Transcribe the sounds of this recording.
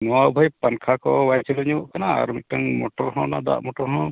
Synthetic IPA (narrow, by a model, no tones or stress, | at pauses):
nɔwabʱɔjpankʰakɔwajt͡ʃilɔɲuɔʔkana̰ːɾmiʈaŋmoʈɔɾɦɔ̃nad̪a̰ʔmɔʈɔɾɦɔ̃